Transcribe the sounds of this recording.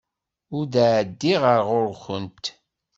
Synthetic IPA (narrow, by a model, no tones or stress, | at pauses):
ʊɾd̪aʕd̪ːiʁəɾʁʊɾçənt̪